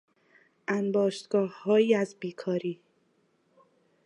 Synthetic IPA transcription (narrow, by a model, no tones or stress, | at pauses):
ʔænbɒːʃt̪ɡ̥ɒːhːɒːjiːæzbiːkʰɒːɾiː